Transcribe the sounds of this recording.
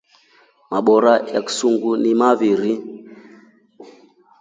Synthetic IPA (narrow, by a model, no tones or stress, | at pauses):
maɓɔɾajaku̥suŋɡunimaviɾi